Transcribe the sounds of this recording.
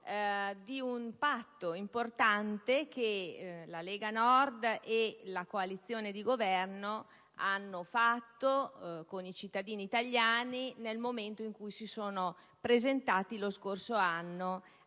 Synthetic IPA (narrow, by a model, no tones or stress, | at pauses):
d̪iunpat̪ːoimport̪ant̪ekelaleːɡanɔrd̪elakoalit̪sːjoːned̪iɡovɛrno | anːofat̪ːokonit͡ʃit̪ːad̪iːniːt̪aʎːjaːninelmoment̪oiŋkujsisoːno | pɾezent̪aːt̪iloskorsoanːo